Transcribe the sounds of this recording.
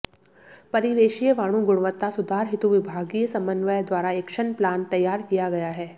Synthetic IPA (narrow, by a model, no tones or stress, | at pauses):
pɐɾiʋeːʃijəʋaːɽ̃ũɡʊɽ̃ʋət̪ːasʊd̪ʱaːɾɦɪt̪uʋɪbʱaːɡijəsɐ̃mbənʋəjd̪waːɾaekʃənplaːnt̪ɐjaːɾkijaɡɐjaɦɛː